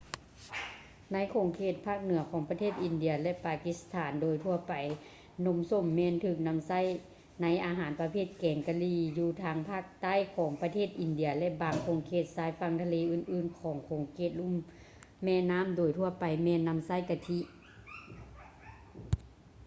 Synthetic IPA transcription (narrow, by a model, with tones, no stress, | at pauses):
na˧˥jkʰoː˨˩˦ŋkʰeː˧˩t̪̚pʰaː˥˩k̚nɯ˨˩˦ɐkʰɔː˨˦ŋpa˧t̪ʰeː˥˩t̪̚ʔi˧˩˨ndi˧ɐlɛ˧ʔpaː˨˩ki˧˥st̪ʰaː˩˦ndoː˨˩jt̪ʰu˧ɐpa˨j | no˧˥˦mso˧˥˨mːɛː˧˨nt̪ʰɯː˧˩k̚na˧˥˨msa˧˥˨j | na˧˥jʔaː˧ɦaː˨˦npa˧pʰeː˧˩t̪̚kɛː˨˩ŋka˧liː˧˩juː˧t̪ʰaː˧ŋpʰaː˥˩k̚t̪a˥˨jkʰɔː˩˦ŋpa˧t̪ʰeː˥˩t̪̚ʔi˨˧˨ndi˨˧˦ɐlɛ˧baː˨˧ŋkʰoː˨˧˦ŋkʰeː˧˩t̪̚saː˧˩jfa˧˥ŋt̪ʰa˧leː˧ʔɯː˧˩˨nʔɯː˧˨nkʰɔː˨˦ŋkʰoː˨˦ŋkʰeː˧˩t̪̚lu˧˥˨mː | ɛː˧˥˨naː˧˥˨mdoː˨˩jt̪ʰu˧˩ɐpa˨˩jmɛː˧˨nːa˧˥˨msa˧˥˨jka˧t̪ʰi˧˥ʔ